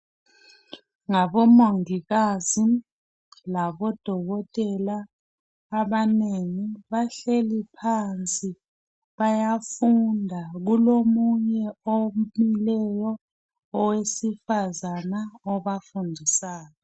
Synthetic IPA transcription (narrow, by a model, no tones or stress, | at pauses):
ŋaɓɔmoŋik̬azi | laɓɔd̥ʱɔk̬ɔtʼɛlaː | ɓaneŋiɓaɬelipʰant͡sʼi | ɓajafundʱak̬ulomuɲɛomilɛjɔ | ɔwesifazanaɔɓafundʱisaːjɔ